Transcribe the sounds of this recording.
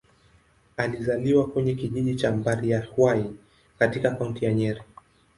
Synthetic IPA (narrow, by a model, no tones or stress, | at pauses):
alizaliwakwɛɲɛkiʄiʄit͡ʃambaɾiahwai | katikakauntijaɲɛɾi